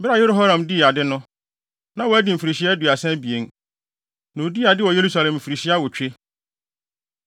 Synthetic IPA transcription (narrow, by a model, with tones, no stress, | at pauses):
bɪ˦ɾa˦˨je˦ɾo˦ɦa˦ɾã˨mdi˦˨a˨dɪ˦nʊ̃˦ | nã˨wɔ˨æ˦dɪ˨m̩˨fi˨ɾi˨ɕi˦ɛ˦du˨a˨sɛ̃˦bi˨e˨n | nã˨o˨di˦˨a˨dɪ˦wɔ˨je˦ɾu˦sa˨lɛ̃˨m̩˨fi˨ɾi˨ɕi˦a˦wɔ˨t͡ɕᶣe˦